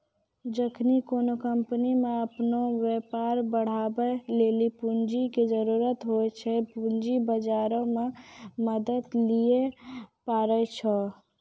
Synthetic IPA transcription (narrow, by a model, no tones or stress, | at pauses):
d͡ʒəkʰnikonokəmpnimeəpnoʋepaɾbəɽ̤abɛlelipund͡ʒiked͡ʒəɾuɾət̪ɦojt͡ʃʰɛpund͡ʒibəd͡ʒaɾõmeməd̪ət̪lijepaɾət͡ʃʰɔ